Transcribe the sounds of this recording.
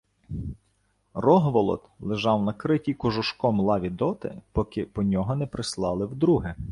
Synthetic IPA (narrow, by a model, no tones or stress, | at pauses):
rɔɦʋɔlˠɔ̰t̪lˠɪʒɑwnɐkɾɪtʲikʊʒʊʃkɔmlˠɑʋʲid̪ɔt̪ɪ̰pɔkɪpɔnʲɔɦɔnɛpɾɪslˠɑlˠɪwd̪ɾuɦɪ